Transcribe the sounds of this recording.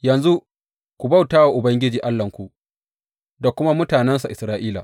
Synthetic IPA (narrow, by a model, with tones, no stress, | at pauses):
jɐ˨nzu˦ | kʷu˨ba˦wtaː˦wa˨ʔʊ˨bɐ˦ŋɡʲɪ˦d͡ʒiː˨ʔa˦lːɐ˨ŋkʷu˨ʔ | da˨kʷʊ˦ma˦mʊ˦taː˨nɛ˦ns̬a˨ʔɪ˨sɾaː˦ʔiː˦la̰˨